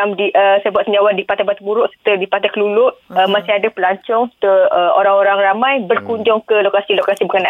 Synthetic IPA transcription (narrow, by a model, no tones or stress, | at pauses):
amdiʔəsajbuaʔ̪səɲd͡ʒawandipat̪abat̪̚buɾʊʔsə̥t̪ədipat̪akəlulʊʔəmasɪadapəlaɲt͡ʃɔŋt̪əəo̰ɾaŋoɾaŋramãjbərkuɲd͡ʒɔŋkəlokasilokasibəkəna